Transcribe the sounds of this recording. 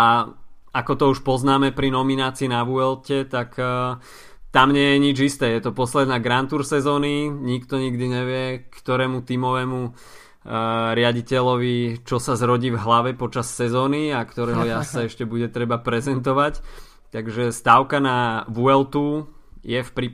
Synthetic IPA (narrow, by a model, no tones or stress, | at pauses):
a | akɔt̪ɔuʃpɔznaːmɛpɾinɔminaːt͡siːnaʋuɛlcɛt̪ak | t̪amɲɪɛjɛɲid͡ʒist̪ɛːjɛt̪ɔpɔslɛd̪naːɡɾant̪uɾsɛzɔːniɲikt̪ɔɲiɡd̪iɲɛʋɪɛkt̪ɔɾɛːmut̪iːmɔʋɛːmu | ɾɪaɟicɛʎɔʋit͡ʃɔsazɾɔɟiːvɦlaʋɛpɔt͡ʃasːɛzɔːniakt̪ɔɾɛːɦɔjasaɛʃcɛbuɟɛt̪ɾɛbapɾɛzɛnt̪̬ɔʋac | t̪aɡʒɛst̪aʊkanaʋuɛlt̪ujɛfpɾi